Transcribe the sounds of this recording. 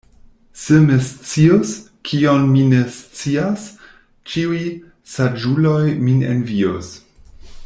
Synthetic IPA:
semest͡sios | kʰionmine̞st͡sias | t͡ʃiuj | sad͡ʒulo̞jminḛnvios

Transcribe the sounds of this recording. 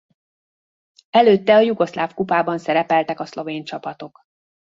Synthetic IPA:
ɛløːt̪ːɛɒjuɡo̞slaːfkupaːbɒnsɛɾɛpɛlt̪ɛkɒslo̞veːɲt͡ʃɒpɒt̪o̞k

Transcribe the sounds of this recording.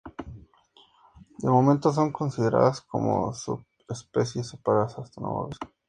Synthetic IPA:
d̪emo̞mẽnt̪os̬o̞ŋko̞nsiðe̞ɾa̰ðasko̞̰mo̰sṵp | espesjesepaɾaasast̪ano̰βa̰βe

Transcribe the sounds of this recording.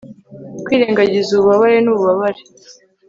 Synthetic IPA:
kwiːɾeːŋɡaɟizuβuβaβaɾe̞nuβuβaβaɾe

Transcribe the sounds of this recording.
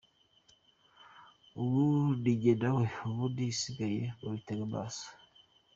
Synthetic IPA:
uβudiɟedaweuβudisiɡajeoɾiteɡeba̰sḁ

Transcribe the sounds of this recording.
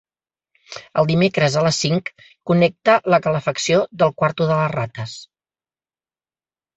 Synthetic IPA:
əlˠd̪imekɾəzələsiŋkː | unɛk̚t̪ələkələfəksioðəlˠkwaɾt̪uðələzrat̪əs

